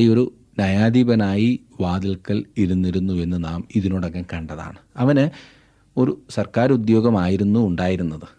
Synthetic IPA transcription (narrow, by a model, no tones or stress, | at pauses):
io̞ɾu | nɐjaːd̪iːbɐnaːji | ʋaːd̪ilkːɐɭiɾunːiɾunːue̞nːɨnaːmiðinoɽokːekɐɳɖɐða̰ːɳɨɐʋɐnɨ | o̞ɾusɐrkaːɾud̪jo̞ːɡɐmaːjiɾunːuːɳɖaːjiɾunːɐðɨ